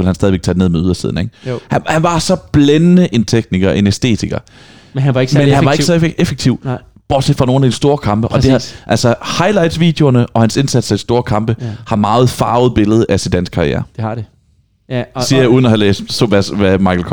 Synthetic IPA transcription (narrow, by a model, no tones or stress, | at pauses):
e̝lhænsdɛðˠieɡ̥̚t͡sʰæːd̥ene̝ðˠmeð̞ˠɐsḭð̰ˠn̩eɡ̥hænhænʋɑ̈sɒ̽b̥lenənəʔe̝nt͡sʰeɡ̥̚niɡ̥ɐʔe̝nesd̥e̝̰ːt͡sʰiɡ̥ɐ | mhæɡ̥mmenhænʋɑ̈e̝̥sɒefeɡ̥̚t͡sʰiʊ̰ | b̥ɒ̰̥ːsed̥fʁɑ̈no̝ːn̩ædisd̥o̝ːɐkʰɑ̈mb̥əʔɒ̽d̥e̝æʔæl̰sɒhɑ̈ɪlɑ̈ɪd̥sʋḭːd̥eoɐnəʔɒ̽hænse̝nsæd̥sɐd̥isd̥o̝ːɐkʰɑ̈mb̥əhɑ̈mɑ̈ːð̞̩ˠfɑ̈ːʊð̞̩ˠb̥e̝ləð̞ˠʔæsind̥æn̰sɡ̥kʰɑ̈ʁiḛːɐd̥e | siːɐjauːð̞ˠnɒhælḛːsd̥soʋæsʋæmɑ̈ɪkʰl̩kʰ